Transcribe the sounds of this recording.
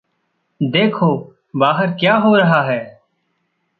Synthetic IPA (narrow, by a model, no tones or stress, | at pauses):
d̪eːkʰoː | baːɦəɾkjaːɦoːɾəɦaːɦɛː